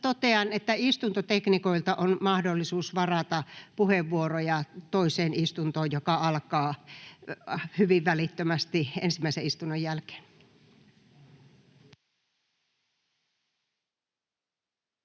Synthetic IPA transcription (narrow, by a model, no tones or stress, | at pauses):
t̪ot̪eɑnet̪ːæist̪unt̪ot̪eknikoilt̪ɑʔonmɑhdolːisuːsʋɑrɑt̪ɑpuheʋːuorojɑt̪oiseːnist̪unt̪oːjjokɑɑlkɑː | hyʋiʋʋælit̪ːømæst̪iḛnsimːˑæˑiseist̪unːojjælke̥ːn